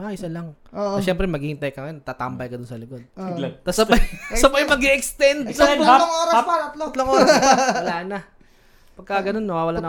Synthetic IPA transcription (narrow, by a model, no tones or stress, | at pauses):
ʔaʔɪsɐlɐŋoʔɐʃɛmpɾɛmɐɡiːhɪnt̪ɐjkɐŋɐjonɐt̪aːt̪ambɐjkɐd̪onsɐlɪko̞d̪̚t̪ɐsɐbɐjsɐbɐjmɐɡiʔɛkst̪ɛnd̪ooŋʔoːɾɐpaɐt̪lot̪loŋʔoːɾɐwɐlaːnɐ | pɐɡ̚kɐɡɐno̞nːɐwaːwɐlanɐ